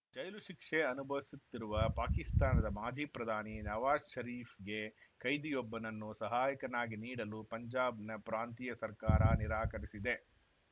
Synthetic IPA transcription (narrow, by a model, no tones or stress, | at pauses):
d͡ʒɐjluʃikʂeɐnubʱɐʋisut̪ːiɾuʋɐpaːkist̪aːnɐd̪ɐmaːd͡ʒiːpɾɐd̪ʱaːninɐʋaːsʃɐɾiːfɡe̞kɐjd̪ijɔbːɐnɐnːusɐɦaːjɐkɐnaːɡiniːɽɐlupɐɲd͡ʒaːbnɐpɾaːnt̪ijɐsɐɾkaːɾɐniɾaːkɐɾisid̪e̞